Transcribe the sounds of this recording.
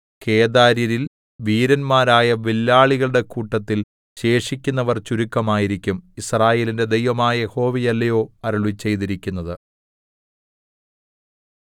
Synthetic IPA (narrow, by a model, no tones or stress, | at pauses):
kʰe̞ːd̪aːɾiɾil | ʋiːɾɐnmaːɾaːjɐʋilːaːɭiɣɐɭɨɽe̞kuːʈːɐt̪ːil | ɕe̞ːʂikʲːunːɐʋɐrt͡ɕuɾukːɐmaːjiɾikʲːumisraːje̞ːlinde̞d̪e̞jʋɐmaːjɐjeho̞ːʋijɐlːɐjo̞ːɐɾuɭit͡ɕːe̞jt̪iɾikʲːunːɐðɨ